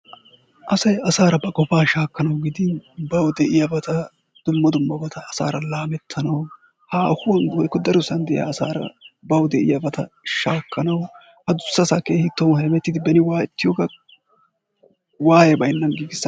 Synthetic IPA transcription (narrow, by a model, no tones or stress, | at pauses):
ʔɐsɐjɐsaːɾɐbɐkʼɔfaːʃaːkːɐnɐwɡɪd̪ɪnbɐwd̪ɛʔɪjabɐt̪ɐ | d̪̥ʊmːɐd̪ʊmːɐbɐt̪ɐːsa̰ːɾɐlaːmɛt̪ʰːɐnɐw | haːhʊwɔnɡwɔjkːɔd̪ɐɾʊsɐnd̪ɛʔj̰a̰ːsa̰ːɾɐ̰bɐwd̪ɛʔɪ̰jabɐt̪ɐʃaːkʰːɐnɐw | hɐd̪ʊsːɐsakeːhɪt̪ːɔnhɐmɛt̪ːɪd̪ɪbɛnɪwaːɪt̪ːɪjɔɡɐ | waːjɛbɐjnːɐnɡɪɡɪsːɐ